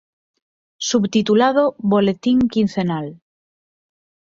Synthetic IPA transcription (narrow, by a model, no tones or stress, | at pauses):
suβt̪it̪ulaðoβolet̪iŋkin̟θenal